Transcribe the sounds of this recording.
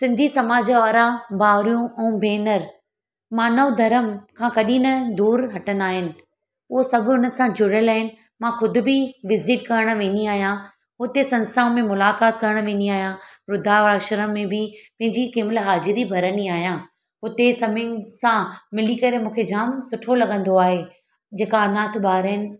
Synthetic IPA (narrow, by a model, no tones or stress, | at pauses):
sɪ̃nd̪ʱisɐmaːd͡ʑaɔːɾabaːɾijũɛ̃ːbeːnəɾ | mãnɐd̪ʱɐɾəmkʰãkɐɗĩnɐd̪uːɾɦɐʈənaːɦɪnɪ̆ | ʊɦosɐbʱʊʊnə̆sãd͡ʑʊɾəlaːɦɪnɪ̆ | mãxʊd̪ʱʊ̆bɪʋɪzɪʈkɐɾəɽ̃̆ʋẽːniaːɦijã | ɦʊt̪esɐ̃nst̪aːʊ̃mẽmʊlaːkaːt̪kɐɾəɽ̃ʋẽːniaːɦjãɾʊd̪ʱaʋaːʃəɾəmːẽbɪpɐ̃ɦɪ̃ɲd͡ʑikɪːmɪlɦaːzɪɾibʱɐɾəniaːɦijãː | ɦʊt̪esɐmɪ̃nsãmɪlikɐɾemũːkʰed͡ʑaːmsʊʈʰolɐɠə̃nd̪oaːɦeː | d͡ʑeːkaːnaːt̪ʰɓaːɾɦɪnɪ̆